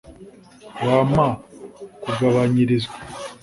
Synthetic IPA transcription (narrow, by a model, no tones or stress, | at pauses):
waːmakuɡaβaɲiɾizɡwa